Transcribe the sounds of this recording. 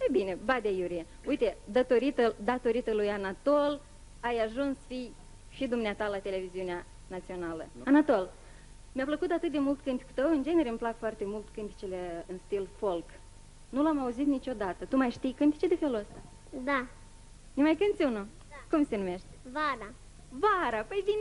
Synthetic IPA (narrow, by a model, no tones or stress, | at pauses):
ebine̞bad̪ejuɾije | ujt̪e̞d̪ət̪o̞ɾit̪əd̪at̪o̞ɾit̪əlujanat̪ol | ajaʒunsfij | ʃid̪umneat̪alat̪e̞le̞viziunea | nat̪sio̞nalə̰anat̪o̞l | meapləkut̪at̪ɨt̪̚d̪e̞mult̪kɨnt̪i̥ku̥t̪əwɨnd͡ʒe̞ne̞ɾemplakfoart̪e̞mult̪kɨnt̪i̥t͡ʃele̞ɨnst̪ilfo̞lk | nulamauzit̪nit͡ʃo̞d̪at̪ət̪umajʃt̪ijkɨnt̪i̥t͡ʃed̪e̞fe̞luəst̪a | d̪a | nemajkɨnt̪sʲunu | kumse̞nume̞ʃt̪ʲvaɾa | vaɾapəjd̪in